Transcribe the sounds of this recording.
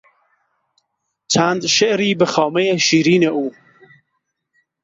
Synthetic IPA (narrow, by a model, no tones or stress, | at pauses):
t͡ʃʰand̪ʃeʔɾiːbɨxɑːmɛjeʃiːɾiːneʔuː